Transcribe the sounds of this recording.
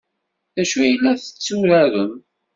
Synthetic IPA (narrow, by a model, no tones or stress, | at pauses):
ðæʃujəlːæθə̥t͡sːuɾæɾəm